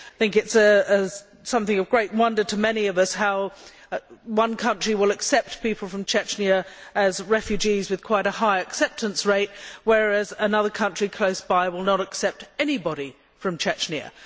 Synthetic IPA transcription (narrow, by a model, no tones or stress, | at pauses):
aɪθɪ̃ŋkɨtsɨə | sʌ̃mθɪ̃ŋʌvɡɹeɪt̚wʌ̃ndə˞ɾɨmɛniʌvʌsɦaʊ | wʌ̃nkʰʌ̃nt͡ʃɹ̥iwəlˠɨksɛp̚t̚pipl̩ˠfɹʌ̃mt͡ʃʰɛt͡ʃniɨɨzɹɛfjʉd͡ʒizwɨð̥kʰw̥aɪɾɨhaɪɨksɛp̚tɨ̃nsɹeɪt̚wə˞æzɨnʌðə˞kʰʌ̃nt͡ʃɹ̥ikʰl̥oʊsb̥aɪwəlˠnəɾɨksɛp̚tɛnibɑɾi | fɹʌ̃mt͡ʃʰɛt͡ʃniɨ̰